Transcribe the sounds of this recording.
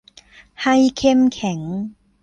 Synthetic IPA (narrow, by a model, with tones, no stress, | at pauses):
ha˧jkʰe˥˧mkʰɛ˩˦ŋ